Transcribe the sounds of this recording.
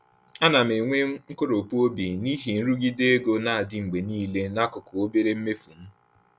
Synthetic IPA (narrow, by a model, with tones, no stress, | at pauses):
a˦na˨m̩˨e˨ŋʷe˦ŋ̩˦ko˦ɾo˨pu˦o˦bi˨ni˦ɦi˨n̩˦ɾu˦ɡi˦de˦e˦ɡo˦na˨a˨dɪ˨ŋ͡m̩˨ɡ͡be˨niː˦le˦na˦kʊ˨kʊ˨o˦be˦ɾe˦m̩˦me˦fu˨m̩˦